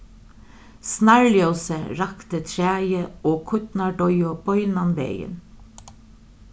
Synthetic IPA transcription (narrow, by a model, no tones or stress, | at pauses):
snæɹljœsəɹɑkt̪ət̪ʰɹæːjəoːkʰʊt̪nɑɖɔʏɔb̥ɔʏnɑnbḛːjə̰n